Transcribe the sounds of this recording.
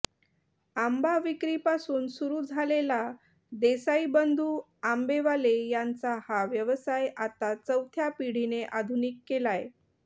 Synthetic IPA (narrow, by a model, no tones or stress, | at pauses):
ambaʋikɾiːpasuːnsuɾuːd͡zʱalela | d̪esaibənd̪ʱuː | ambeʋalejant͡sahaʋjəʋəsajat̪at͡səwt̪ʰjapiɽ̤ineʔad̪ʱunikːelaje